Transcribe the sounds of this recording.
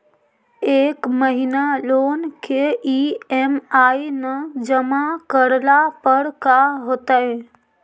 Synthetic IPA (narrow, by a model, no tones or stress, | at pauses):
eːkməɦinaloːnkeiemaːinəd͡ʒəmakəɾlapəɾkaɦoːt̪aɦɛ